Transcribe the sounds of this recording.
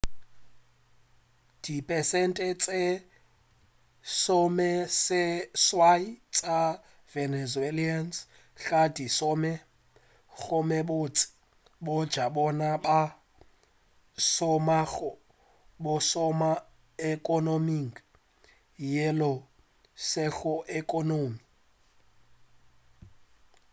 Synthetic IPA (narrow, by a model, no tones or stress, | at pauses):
d̥ipʼɛsɛntʼɛt͡sʼe | sɔmɛsɪswait͡sʼa | vɛnɛzuelians | ɬadisɔmɛ | ɣʊmɛbot͡sʼɪ̥ | bɔd̥ʒ̥ʱaɓɔnaɓa | sɔmaɣʊ | ɓʊsɔma | ɛkʼɔnomiŋɡ | jɛlɔ | sɛɣʊʔɛkʼɔnoːmi